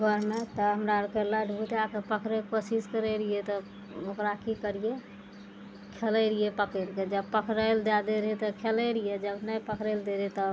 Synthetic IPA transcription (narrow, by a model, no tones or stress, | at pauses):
ɡʱəɾmet̪ɔɦəmɾaɾkəɾləɖʱbut̪akepəkɾekosiskəɾɛɾiet̪ɔ | okɾakikəɾije | kʰeləɾijepəkeɾked͡ʒəbpəkʰɾəld̪ad̪eɾɦit̪ɔkʰeləɾijed͡ʒəbnəjpəkɾɛld̪eɾɛt̪ɔ